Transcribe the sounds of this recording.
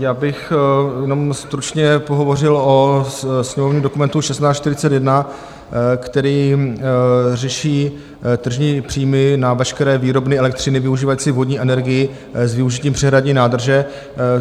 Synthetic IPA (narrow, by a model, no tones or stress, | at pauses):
jaːbɪxjɛno̞mst̪ɾut͡ʃɲɛpoɦo̞vo̞r̝ɪlosɲɛmovɲiːmdo̞kumɛnt̪uʃɛst̪naːst͡ʃːt̪ɪɾɪt͡sɛt̪jɛdna | kt̪ɛɾiː | rɛʃiː | t̪r̩ʒɲiːpr̥iːmɪnavɛʃkɛɾɛːviːɾo̞bnɪɛlɛk̚t̪r̝ɪnɪvɪuʒiːvajit͡sɪvo̞dɲiːʔɛnɛɾɡɪjɪ | zvɪuʒɪciːmpr̝̥ɛɦɾadɲiːnaːd̪r̩ʒɛ